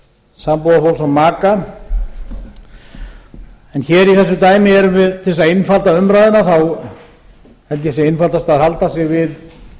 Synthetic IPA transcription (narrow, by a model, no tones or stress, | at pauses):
sampowðafowlsamːaːka | ɛnçɛːɾiθɛsːʏt̪aːjmɪɛɾʏmvɪðʰɪlsaenfalt̪aʏmɾaːjðɪnaθaw | ɛnt̪jɛsɛɪnfalt̪ast̪aːðhalt̪asɛɣvɪð